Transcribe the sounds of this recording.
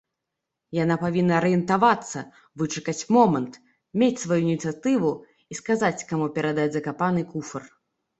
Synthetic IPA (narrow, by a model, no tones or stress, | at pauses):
janapavʲinːɐɾɨjɛnt̪avat̪sːɐ̰ | vɨt͡ʂɨkɐt͡sʲmɔmɐnt̪ | mʲet͡sʲsvajuinʲit̪sɨjat̪ɨvu | iskazat͡sʲkamupʲɛɾad̪ad͡zʲzɐkapanɨkufɐr